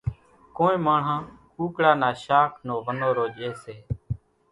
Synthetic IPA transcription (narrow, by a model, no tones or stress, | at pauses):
koːnĩːmaːɳ̤ãːkuːkɽaːnaːʃaːkʰnoːʋənoːɾoːd͡ʒeːseː